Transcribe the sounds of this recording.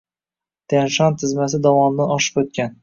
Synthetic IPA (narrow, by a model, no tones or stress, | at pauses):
t̪ʰenʃɒnt̪ʰɪzmas̬ɪd̪ɒvɒmd̪anɒʃɪ̥pot̪̚kʲan